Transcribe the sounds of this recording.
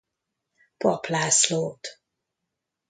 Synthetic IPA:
pɒplaːsloːt̪

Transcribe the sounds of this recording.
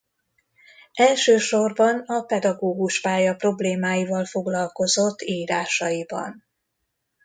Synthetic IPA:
ɛlʃøːʃorbɒnɒpɛd̪ɒɡoːɡuʃpaːjɒpro̞bleːmaːjivɒlfo̞ɡlɒlko̞zo̞t̪ːiːɾaːʃɒjibɒ̰n

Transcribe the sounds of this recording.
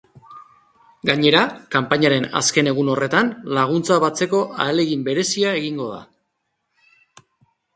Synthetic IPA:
ɡaɲe̞ɾakampaɲaɾe̞na̰ske̞ne̞ɣ̞uno̞re̞t̪anlaɣ̞unt͡saβat͡se̞ko̞ʔa̰ele̞ɣimbe̞ɾe̞siaeɣiŋɡo̞ð̞a̰

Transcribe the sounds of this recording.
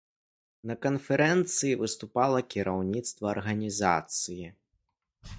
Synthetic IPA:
nɐkɐnfʲɛɾɛnt̪sɨjivɨst̪upalˠɐkʲiɾawnʲit̪st̪vɐːrɣɐnʲiza̰t̪sɨji

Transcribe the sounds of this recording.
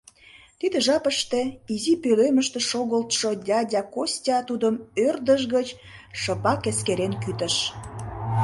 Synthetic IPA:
t̪id̪eʒɑpəʃt̪eizipøløməʃt̪eʃoɣəlt̪ʃodʲɑdʲɑkosʲtʲɑt̪ud̪əmørd̪əʃɣət͡ɕ | ʃəpɑkeskeɾenkyt̪əʃ

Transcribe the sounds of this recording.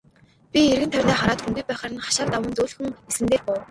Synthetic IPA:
pʲierɣɘ̆nt̪ʰœrʲnaːχaɾaːt̪xuŋɡujpæːχaːɾə̆nχḁʃaːɮt̪awə̆nt̪uːɮxɘ̆ŋesɘ̆nt̪eːrpʊw

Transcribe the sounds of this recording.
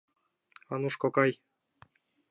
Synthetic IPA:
ɑnuʃkokɑj

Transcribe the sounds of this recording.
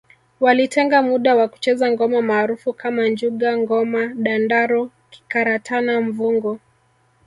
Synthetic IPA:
walitɛŋɡamuɗawaku̥t͡ʃɛzaŋɡɔmamaːɾufukʰamand͡ʒuɠaŋɡɔmaɗandaɾɔ | ki̥kaɾatʰanaɱvuŋɡɔ

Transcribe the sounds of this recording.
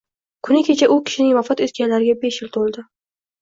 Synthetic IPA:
kʰʊnɪkʲʰe̞t͡ʃʰaʔʊkʲʰɪ̥ʃɪnɪŋvafat̪et̪kʲanlaɾɪɡʲabe̞ʃjɪlt̪ʰolˠd̪ɪ

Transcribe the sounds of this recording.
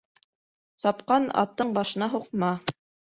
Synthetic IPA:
sɑpqɑnɑ̰t̪ːɤɴbɑʃɤ̆nɑɦuq̚mɑ

